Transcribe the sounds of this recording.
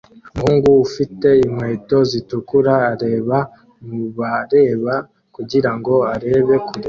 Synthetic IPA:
muhuːŋɡuːfite̞imwe̞ːto̞zitukuɾaːɾe̞ːβa | muβaɾe̞ːβa | kuɟiɾaŋɡo̞aɾe̞ːβe̞kuɾe

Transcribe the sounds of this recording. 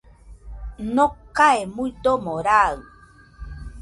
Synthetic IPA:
nokaemuidomoɾaɨ

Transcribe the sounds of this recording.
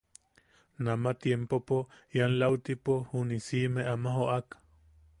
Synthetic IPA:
namat̪jempopojanlawt̪ipohunisimeʔamaɦoʔak

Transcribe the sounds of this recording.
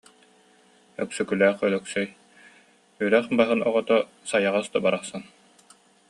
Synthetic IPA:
œksœkylæːχœlœksœj | yɾɛχbaɦɯnɔʁɔt̪ɔ | sajaʁast̪ɔbaɾaχsan

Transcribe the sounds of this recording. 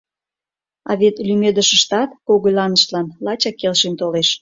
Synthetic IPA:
ɑ̰βet̪lymed̪əʃə̆ʃt̪ɑt̪koɣojlɑnəʃt̪lɑnlɑt͡ɕɑkːelʃent̪oleʃ

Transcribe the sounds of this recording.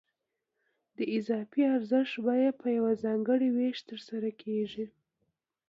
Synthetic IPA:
d̪əɪzɑfiaɾzəʃtbɑjad̪̚pəjawazɑŋɡəɽiweʃt̪əɾsaɾakʰeʒi

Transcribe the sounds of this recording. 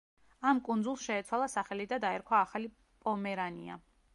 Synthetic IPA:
amkʼund̪zulˠsʃɛːt̪sʰwalˠasaχɛlid̪ad̪aɛɾkʰwaːχali | pʼɔmɛɾanḭa̰

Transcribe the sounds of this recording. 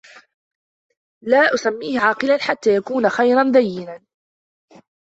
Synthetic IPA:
laːʔʊsamːiːhɪʕɑːqɪlanħat̪ːaːjakuːnaxajɾˤɑnd̪ajːɪnan

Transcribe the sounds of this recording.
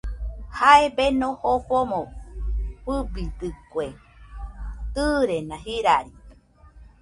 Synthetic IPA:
haebenõhoɸomõ | pɨbit̪ɨkwe | t̪ɨɾenãɦiɾaɾi

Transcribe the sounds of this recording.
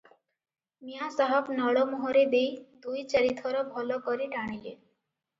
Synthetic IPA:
miasaɦɔbnɔɽɔmɔɦɔɾed̪ejd̪ujt͡ʃɔɾit̪ʰɔɾɔbʱɔlɔkɔɾiʈaɽ̃ilḛ

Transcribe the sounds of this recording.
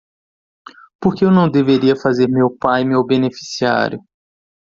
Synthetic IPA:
poɾkeewnɐ̃w̃d̪eveɾiɐfazeɾmewpajmewbẽnefi̥sia̰ɾjʊ

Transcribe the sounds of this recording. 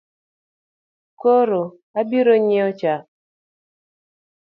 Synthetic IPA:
koɾo | abiɾoɲeɔt͡ʃa

